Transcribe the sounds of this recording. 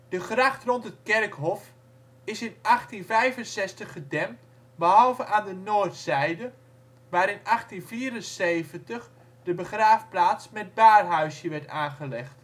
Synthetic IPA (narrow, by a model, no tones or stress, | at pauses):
d̥əxraχtrɔntətkɛrkɦɔf | ɪsɪnʔaχtinvɛjvənsɛstəχːədɛm | bəɦɑlˠvəʔaːndənoːrtsɛjdə | ʋaːɾɪnʔaχtinviːɾənseːvəntəχ | dəbəχraːfplaːtsmɛt̚baːrɦœɥsjəʋɛɹtaːnχəlɛxt